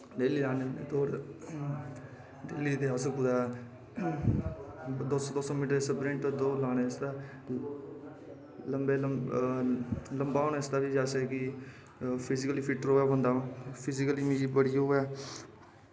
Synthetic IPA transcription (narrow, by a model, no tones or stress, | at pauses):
ɖeːliːlaːnened̪oːɾ | ɖeːliːt̪eːasukud̪aː | d̪osd̪oːsõːmiːʈəɾesəpɾẽɳʈd̪oːlaːneːst̪aː | ləmbeː | ləmbaːoːneːsd̪aːd̪iːd͡ʒaːseːki | pʰɪzɪkəliːpʰɪʈəɾɦoːjaːbə̃nd̪aːpʰɪzɪkəliːmid͡ʒibəɽijɦoːjaː